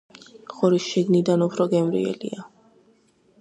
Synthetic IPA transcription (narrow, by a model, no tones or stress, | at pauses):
χɔɾisʃiɡnid̪anupʰɾɔɡɛmɾḭɛ̰lḭa